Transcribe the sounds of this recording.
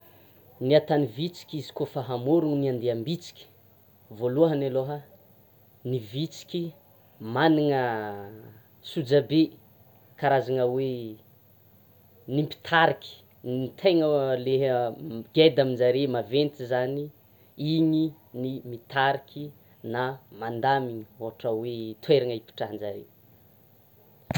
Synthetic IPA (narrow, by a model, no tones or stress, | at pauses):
niat̪anivit͡si̥kʲizi̥kofaɦamoɾuŋniand̪eambit͡si̥kʲi̥ | voluəɦanaloɦə | nivit͡si̥kʲi | maniŋə | sud͡zabe | kaɾazaŋəwe | nimpi̥t̪ʰaɾikʲi̥ | ninit̪ʰeŋəleɦɡed̪aminzaɾemavent̪izani | iɲi | nimit̪aɾikʰʲi | namand̪amiɲioɦaʈ͡ʂəwet̪ʰweɾaŋəipi̥ʈ͡ʂaɦnzaɾḛ